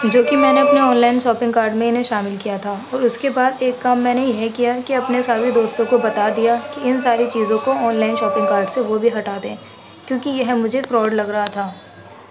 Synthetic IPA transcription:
d͡ʒoːkimɛ̃ːneɐpneɔːnlaːɪnʃɔːpɪ̃ŋɡkaːɾɖmẽɪnɦẽʃaːmɪlkijat̪ʰaːɔːɾʊskebaːd̪eːkːɐmːɛ̃ːnejɐɦkijakiɐpnesaːʋid̪oːst̪õkobɐt̪ad̪ijakiɪnsaːɾit͡ʃiːzõkoɔːnlaːɪnʃɔːpɪ̃ŋɡkaːɾɖseʋobʱiɦɐʈaːt̪ẽ | kjõːkijɐɦmʊd͡ʒʱefɾɔːɖlɐɡɾɐɦat̪ʰaː

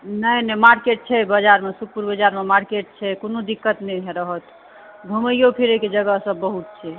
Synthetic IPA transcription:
nəjnɛmaɾkeʈ̚t͡ʃʰɛbəd͡ʒaɾmesuk̚puɾbəd͡ʒaɾmemaɾkeʈ̚t͡ʃʰɛkonod̪ikːət̪nɛɦeɾəɦət̪ | ɡʱuməijopʰeɾeked͡ʒəɡəɦsəbːəɦut̪̚t͡ʃʰɛ

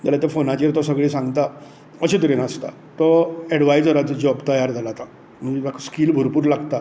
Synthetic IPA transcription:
d͡ʑalat̪efonãt͡ɕiɾt̪ɔsəɡɭiːsãŋɡt̪a | əɕit̪əɾinəst̪a̰ | t̪ɔɛɽʋajd͡zəɾat͡sd͡ʑɔbt̪əjaɾd͡zʱalat̪ã | m̤əd͡ʑebakskiːlbʱuɾpuːɾlaɡt̪a

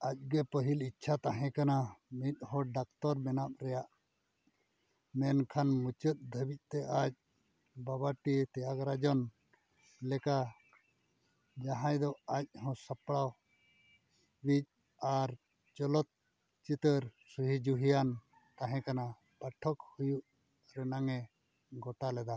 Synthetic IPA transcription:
ac̚ɡɛpəɦilitːt͡ʃʰat̪aɦɛ̃kanamit̪̚ˀhɔ̃ɖak̚t̪ɔɾmɛnap̚ɾɛjaʔ | mɛnkʰanmut͡ʃət̪̚d̪ʱəbic̚ˀt̪ɛʔac̚ | babaʈit̪ɛjakɾad͡ʒɔn | lɛka | d͡ʒaɦãjd̪ɔac̚hɔ̃səpɽaw | bic̚ | aɾ | t͡ʃɔlɔt̪̚ | t͡ʃit̪əɾsuɦid͡ʒuɦijan | t̪aɦɛ̃kana | pəʈʰɔk̚hujuʔ | ɾɛnaŋɛ | ɡɔʈalɛd̪a

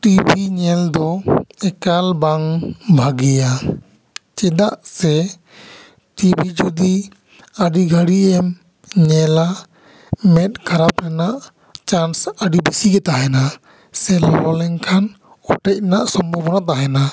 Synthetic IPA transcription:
ʈibʱiɲɛld̪ɔɛkalbaŋbʱaɡɛja | t͡ʃɛd̪aʔsɛ | ʈibʱid͡ʒud̪i | əɖiɡʱəɽiɛm | ɲɛla | mɛt̪̚kʰaɾapɾɛnaʔ | t͡ʃansəɖibisiɡɛt̪aɦɛna | sɛlɔɔlɛŋkʰan | ɔʈɛc̚naʔsɔmbɔbɔnat̪̬aɦɛna

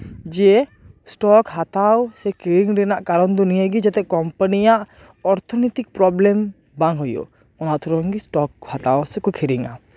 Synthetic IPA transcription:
d͡ʒɛ | sʈɔkhat̪awsɛkʰiɾiŋɾɛnaʔkaɾɔnd̪ɔnijaɡid͡ʒɛt̪ɛkɔmpanijaʔ | ɔɾt̪ʰɔnit̪ik̚pɾɔblɛm | baŋɦɔjɔ̰ | ɔnaʔt̪ɔɾɔŋɡisʈɔkhat̪awsɛkɔkʰiɾiŋa̰

